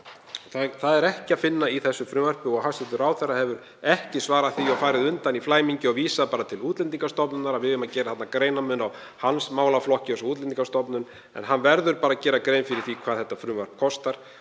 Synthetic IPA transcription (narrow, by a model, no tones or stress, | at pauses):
θaθaðɛɾɛhcɪafɪnːaiθɛsːʏfɾʏːvar̥pʏɔɣɦasɛt̪ʏɾawθɛrːahɛvʏɾ | ɛhcɪsvaːɾaðθiɔwfaːjɾɪðʏnt̪aniflaːjmiɲcɪɔɣviːsapaːɾat̪ʰɪluːt̪lɛnt̪̬iŋkast̪ɔpnʏnaɾaðvɪðʏmːacɛːɾaθat̪nakɾeːjnamʏnaw | hansmaːwlaflɔhcɪθɛsɔuːt̪lɛnt̪iŋkast̪ɔpnʏn | ɛ̰nɦanːvɛɾðʏɾpaːɾacɛːɾakɾejnfɪɾɪɾ̥θikʰvaːðθɛht̪ːafɾʏːvar̥p̚kʰɔst̪aɾ̥